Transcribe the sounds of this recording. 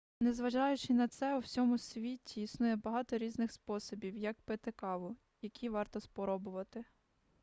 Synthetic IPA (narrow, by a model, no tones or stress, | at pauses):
nezʋɐʒɑjʊt͡ʃɪnɐt̪sɛuwsʲɔmʊsʲʋʲitʲʰiːsnujɛbɐɦɑt̪ɔɾʲiznɪxspɔsɔbʲiwjɐkpet̪ɪkɑʋʊ | jɐkʲiʋɑrt̪ɔspɔɾɔbʊʋɐt̪ɪ